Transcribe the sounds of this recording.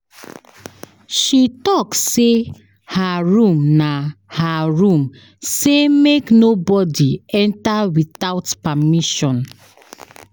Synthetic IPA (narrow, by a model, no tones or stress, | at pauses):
ʃitɔkse | haɹũmnahaɹũm | semeknobɔdiɛ̃ntawitaʊtpamiʃɔ̃n